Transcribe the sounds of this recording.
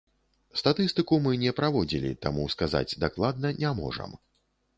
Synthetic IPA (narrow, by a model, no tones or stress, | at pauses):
st̪at̪ɨst̪ɨkumɨnʲɛpɾavɔd͡zʲilʲḭt̪amuskaza̰d͡zʲd̪aklˠad̪nɐnʲamɔ̰ʐɐ̰m